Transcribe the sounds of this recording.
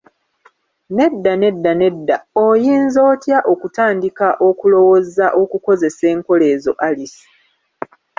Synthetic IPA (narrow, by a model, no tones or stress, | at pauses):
ne̞dːane̞dːane̞dːaojiːnzo̞ːtjaʔo̞kutaːndikaʔo̞kulo̞wozaʔo̞kuko̞ze̞se̞ːŋko̞le̞ːzo̞̰ʔalisi̥